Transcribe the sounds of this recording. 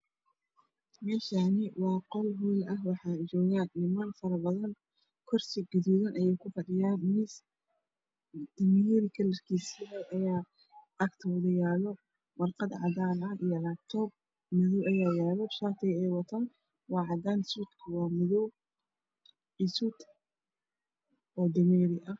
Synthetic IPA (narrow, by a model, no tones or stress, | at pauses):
mɛːʃaːnɪwɑːqɔlɦiːlɐhwɑħɑːd͡ʒɔːɣaːnːɪmɐnfɐɾɐbɐðɐn | kʰɔrsɪɡʊðuðɐnʔɐjɛjkʰʊfɐɖɪjaːnmɪs | d̪̥ɪmɪjɐðikʰɐlɐrkʰiːsiɛʔɐjaː | ʔɐkt̪ʰɔwðɐjaːlɔ | wɐrqɑd̪ʕɑ̰d̪aːnɐʔijɔlak̚t̪ʰɔːb̚ | mɪðɔwʔɐjaːjaːlɔʃaːt̪ʰɛjɛjwɑt̪ʰaːn | wɑːʕɑd̪aːnsut̪kʰɐwɑːmɪðɔw | ʔɪsut̪ | ʔɔːd̪ɐmɛːɾɪʔɐ